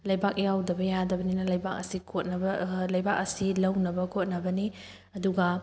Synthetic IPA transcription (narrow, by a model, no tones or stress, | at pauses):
lɐjbak̚jawdɐbɐjadɐbɐninɐlɐjbak̚ɐsikʰot̚nɐbɐlɐjbak̚ɐsilɐwnɐbɐkʰot̚nɐbɐni | ɐduɡɐ